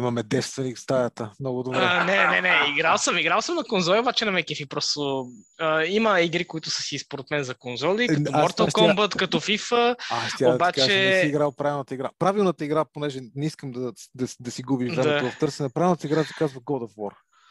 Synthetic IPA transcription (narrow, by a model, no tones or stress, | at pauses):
imɐmɛd̪ɛfst̪vɛnikst̪ajət̪əmnɔɡʊd̪obɾɛnɛnɛnɛiɡɾalˠsəmiɡɾalˠsəmnɐkonzɔlˠiobat͡ʃɛnɐmɛkifipɾɔst̪oəiməiɡɾikʊit̪ʊsə̥sispoɾɛt̪mɛnzɐkonzɔlikɐɔabɔɾt̪ɐlʃtkɔmbət̪kɐt̪ɔfifəaʃt̪iaod̪ɐtb̪at͡ʃkaɛʒɛssiːɡɾalˠpɾavilˠnət̪əiɡɾapɾavilˠnət̪əiɡɾaponɛʒɛnɛiskəmd̪ɐd̪ɐd̪ɐsiɡubiʒɾɛmɛovɐft̪ɤɾsɛnɛpɾavilˠnət̪əiɡɾat̪ɛ̥kazvɐɡɔd̪ofwɔɾ